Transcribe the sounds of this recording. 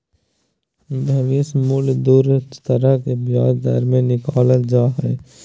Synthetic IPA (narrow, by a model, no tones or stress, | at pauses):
bɐʋismʊld̪uːɾt̪əɾəkebjaːd͡ʒd̪a̰ɾmẽnɪkaːlət̪d͡ʒaːɦɛː